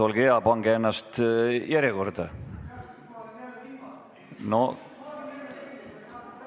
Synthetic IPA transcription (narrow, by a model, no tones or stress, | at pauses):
olɡeɑpɑŋɡeenːɑst̪jæɾjeko̞rd̪̥ɑ | no